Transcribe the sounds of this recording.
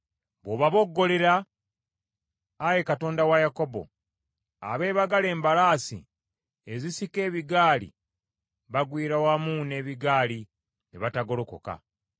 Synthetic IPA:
βoβaβo̞ɡːo̞le̞ɾa | je̞kato̞ːndawajako̞bo̞̰ | a̰βe̞ːβaɡale̞ːmbalaːsḭ | ezisike̞ːβiɡaːlḭ | βaɡwiːɾawamune̞ːβiɡaːli | niβataɡo̞loko̞̰ka̰

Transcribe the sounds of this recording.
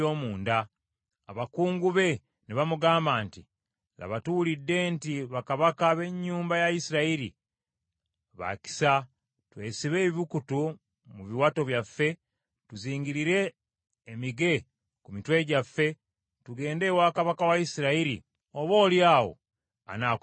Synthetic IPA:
oːmuːndaː | βakuːŋɡuβe̞ | niβamuɡaːmbaːnti | la̰βatuwulidːe̞ntiβakaβakaβe̞ɲːuːmbajaisiɾaiɾḭ | βa̰ci̥sa | twe̞̰ːsiβe̞ːβukutu | muβiwato̞βjafːe̞ | tuziːɲɟiɾiɾe̞ː | miɡe̞ | kumitwe̞ɟafːe̞ | tuɡe̞ːnde̞waːkaβakawaisiɾaiɾḭ | oβo̞ːljaːwo̰ | a̰naː

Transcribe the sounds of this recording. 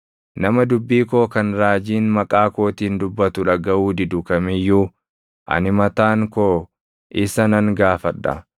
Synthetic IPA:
nɐmɐd̪ʊbːiːko̞ːkɐnɾaːd͡ʒiːnmɐkʼaːko̞ːt̪iːnd̪ʊbːɐt̪ʊᶑɐɡɐʔuːd̪ɪd̪ʊkɐmɪjːuː | ʔɐ̰nɪmɐt̪aːŋkoː | ʔɪsɐnɐŋɡaːfɐᶑːɐ̰

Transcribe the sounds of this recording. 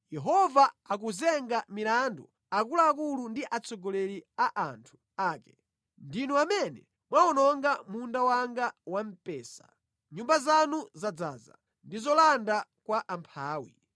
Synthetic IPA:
jɛɦɔvaak̬uzɛŋɡamilandu | ak̬ulaːk̬ulundiʔat͡sɔɡɔlɛɾiaʔantʰu̥ | aːkɛ̥ | ndinuamɛnɛ | mwaɔnɔŋɡamundawaŋɡawam̩pɛːsa̰ | ɲumbazanuzad͡zaːza̰ | ndizɔlandakwaʔampʰaːwi

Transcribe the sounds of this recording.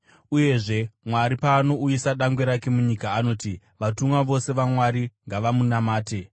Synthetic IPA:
uje̞ʐe̞mwaɾipaːno̞uisaɗaŋɡwe̞ɾake̞muɲikaːno̞ːti | ʋatumwaʋo̞se̞ʋamwaɾiŋɡaʋamunamaːte̞

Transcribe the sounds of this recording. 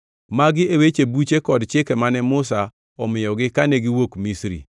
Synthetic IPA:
maɡɪewet͡ʃebut͡ʃekɔdt͡ʃɪkɛmanɛmʊsa | ɔmɪjɔɡɪkanɛɡɪwokmisɾḭ

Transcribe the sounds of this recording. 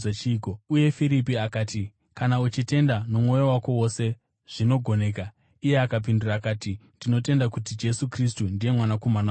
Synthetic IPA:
eiːkouje̞fiɾipiakaːti | kanaut͡ʃite̞ndanomwo̞jowako̞wo̞se̞ | ʐ̥ino̞ɡʱo̞ne̞ːka | ije̞akap̬induraːkaːtindino̞te̞ndakutid͡ʒe̞sukristundije̞mwanakomana

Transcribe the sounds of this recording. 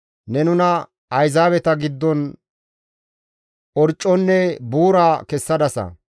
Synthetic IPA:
nɛnʊnɐ | ɐjzaːβɛt̪ɐɡɪd̪ːɔn | ɔɾt͡ʃʼːɔnːɛbuːɾaːkɛsːɐd̪ɐsɐ̰

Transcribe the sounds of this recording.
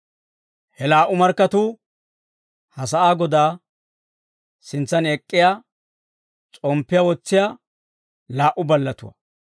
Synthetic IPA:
hɛlaːʔʊmɐɾkːɐt̪uː | hɐsɐʔaːɡɔd̪aː | sɪnt͡sːɐnɛkʼːɪjaː | t͡sʼɔmpːɪjawɔt͡sːɪja | laːʔʊbɐlːɐt̪ʊ̰wɐ̰

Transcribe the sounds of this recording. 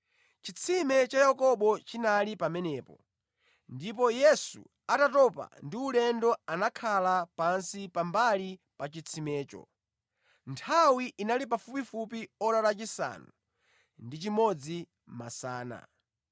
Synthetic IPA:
t͡ʃit͡sʰimɛt͡ʃajakɔɓɔt͡ʃinalipamɛnɛːpɔ | ndip̬ɔjɛsṵ | atatɔpa̰ndiulɛndɔanakʰalapansipambali | pat͡ʃit͡sʰimɛːt͡ʃɔ̰ | ntʰawiʔːnalip̬afupifup̬iɔɾalat͡ʃisa̰nu | ndit͡ʃimɔd͡zi | masaːna̰

